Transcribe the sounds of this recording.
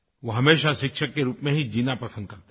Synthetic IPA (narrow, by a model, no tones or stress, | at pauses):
ʋoɦɐmeːʃaʃɪkʃəkːeɾuːpmẽɦid͡ʒiːnapɐsə̃nd̪̚kɐɾt̪e